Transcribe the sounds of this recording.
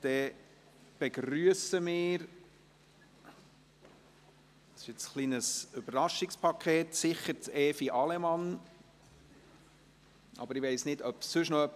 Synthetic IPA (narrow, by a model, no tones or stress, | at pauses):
d̥ɛː | b̥ɛɡryəsəmɪːɾ | ɑsɪʃɪt͡sχlinəsøbəɾɾɑʃɪkspʰɑkʰeːtsɪχətɛːfiʔɑlɛmɑn | ʔɑ̰bəɾɪʋeɪsnɪdœpsɵʃnɔœpː